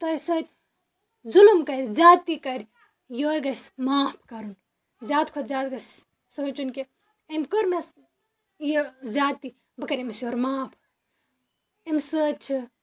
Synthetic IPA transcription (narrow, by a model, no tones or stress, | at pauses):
t̪ɐjsɐt̪ | zulumkɐtzaːt̪ikɐɾʲ | joːɾɡɐsmaːpʰkɐɾun | zaːt̪kʰot̪zaːt̪ɡɐs | soːt͡ʃunki | ɐmkəɾmes | jizaːt̪i | bɐkɐɾemisjoːɾmaːpʰ | emsət͡ʃʰɨ